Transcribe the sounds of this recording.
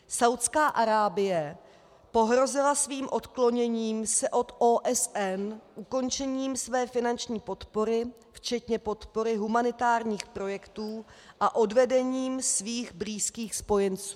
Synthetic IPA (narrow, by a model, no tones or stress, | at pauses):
sawt̪skaːʔaɾaːbɪjɛ | po̞ɦɾo̞zɪlasviːmʔo̞t̪klo̞ɲɛɲiːmsɛʔo̞t̪ʔoːʔɛsʔɛnʔuko̞nt͡ʃɛɲiːmsvɛːfɪnant͡ʃɲiːpo̞t̪po̞ɾɪ | ft͡ʃɛt̪ɲɛpo̞t̪po̞ɾɪɦumanɪt̪aːɾɲiːxpɾo̞jɛkt̪uːʔaʔo̞dvɛdɛɲiːmsviːɣbɾiːskiːxspo̞jɛnt͡suː